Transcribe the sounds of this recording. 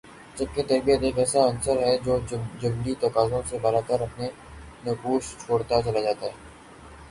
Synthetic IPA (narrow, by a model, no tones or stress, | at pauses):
d͡ʒɐb̚ket̪ɐɾbiet̪eːkɛːsaɐnsəɾɦɛd͡ʒoːd͡ʒɐbɖit̪ɐkaːzõsebəɾaːk̪əɾɐpne | nɐkuːʃt͡ʃʰoːɽt̪at͡ʃɐlad͡ʒaːt̪aɦɛː